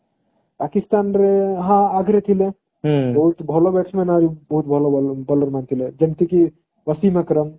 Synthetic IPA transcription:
paːkist̪aːnɾeɦãaɡʱɾet̪ʰile | bɐɦut̪bʱɐlobeʈsmenaɾibɐɦut̪̚bʱɐlobələɾmant̪ʰiled͡ʒɐmt̪iki | ʋɐsimẽkəɾəm

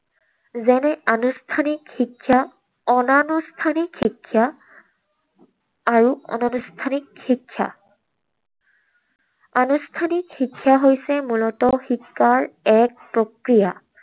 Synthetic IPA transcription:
zɛnɛanustʰanikxikʰːja | ɔnanustʰanikxikʰːja | ɹuɔ̰nanustʰanikhikʰːja̰ | anustʰanikhikʰːjaɦojsɛmulɔtɔxikːaɹɛk̚pɹokɹija

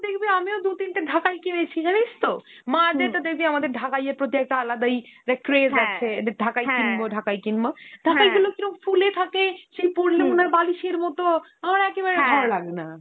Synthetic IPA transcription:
d̪ekʰbiamiod̪ut̪int̪edʱakajkimet͡ɕʰikanist̪o | mad̪et̪ad̪ekʰbiamad̪eɾɖʱakajeɾpɾot̪iɛk̚ʈaalad̪ajɾekːɾesat͡ɕʰeɖʱakajkinboɖʱakajkinmoɖ̥ʱakajɡulokiɾofulet̪ʰakeʃepoɾilomonaɾbaliʃeɾmɔt̪oamaɾɛkeβaɾebʱɔɾlaɡena

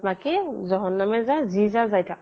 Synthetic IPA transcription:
makizɔɦɔnːamɛzazizazajtʰa

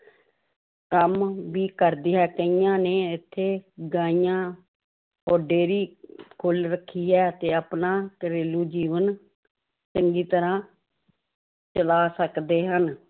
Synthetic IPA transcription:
kəmʋiːkəɾd̪iːɦɛːkəijãːneːɪt̪ʰːeːɡãːijãː | oːɖeːɾiːkʰoːlɾəkʰːiːɦɛːt̪eːəpnaːkəɾeːluːd͡ʒiːʋən | t͡ʃəŋɡiːt̪əɾãː | t͡ʃəlaːsəkd̪eːɦən

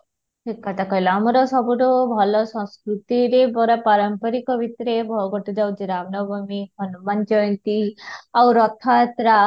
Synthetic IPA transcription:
ʈikːaʈ̪akɔjlɔamɔɾɔsɔbuɾɔbʱɔlɔsɔ̃skɾut̪iɾebɔɾapaɾɔmpɔɾikɔbit̪ɾebʱɔɡɔʈud͡ʒawt͡ʃiɾamnɔbʱumihɔnumant͡ʃɔjnt̪iawɾɔt̪ʰat̪ɾa

